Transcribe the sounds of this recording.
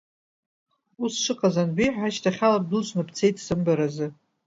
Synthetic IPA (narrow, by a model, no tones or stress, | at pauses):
usʂʷɨqʼazanbijħʷaʃtʰaχʲalap̚dɨt͡ʃʷʰʼnapt͡sʰe̞jtʰsɨmbaɾazɨ